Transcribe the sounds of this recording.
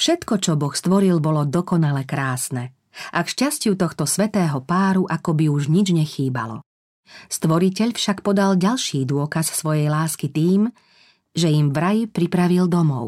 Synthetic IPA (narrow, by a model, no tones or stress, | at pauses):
fʃɛt̪kɔt͡ʃɔbɔxst̪ʋɔɾilbɔlɔd̪ɔkɔnalɛkɾaːsnɛ | ʔakʃcascɪut̪ɔxt̪ɔsʋɛt̪ɛːɦɔpaːɾuʔakɔbiuʒɲid͡ʒɲɛxiːba̰lɔ̰ | st̪ʋɔɾicɛʎfʃakpɔd̪alɟalʃiːd̪ʊɔkassʋɔjɛjlaːskit̪iːm | ʒɛimvɾajipɾipɾaʋild̪ɔmɔ̰ʊ